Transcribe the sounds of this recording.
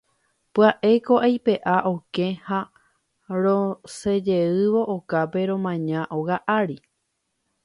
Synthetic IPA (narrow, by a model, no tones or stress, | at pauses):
pɨaʔe̞ko̞ʔajpe̞ʔaʔo̞kẽ̞ha | ɾõse̞d͡ʒe̞ɨʋo̞ʔokape̞ɾõ̞mãɲãʔoɣaʔaɾi